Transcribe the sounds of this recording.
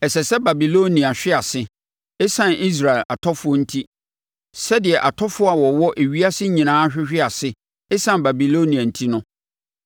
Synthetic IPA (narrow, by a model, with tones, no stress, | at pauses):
ɛ˨sɛ˨sɛ˦ba˨bi˨lo˦nĩ˨a˨ɕᶣɪ˦a˨sɪ˦ | ɛ˦sã˨ni˦s̬ɾa˨ɪ˨la̰˨tʰɔ˦fʊ˦ɔ˦n̩˦tʰi˦ | sɛ˦dɪ˨ɛ˨ʔa˨tʰɔ˦fʊ˦a˨wɔ˨wɔ˦ʔe˨ɥi˦a˦sɪ˦ɲĩ˨nãː˦ɕᶣɪ˦ɕᶣɪ˦a˨sɪ˦ | ɛ˦sã˦˨ba˨bi˨lo˦nĩ˨ã˨n̩˨tʰi˦nʊ̃˦